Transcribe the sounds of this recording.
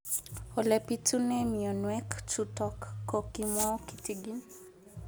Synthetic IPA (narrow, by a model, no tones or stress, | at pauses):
ɔlɛpitunɛmiɔnwɛkt͡ʃutɔkːokimɔki̥tiɡin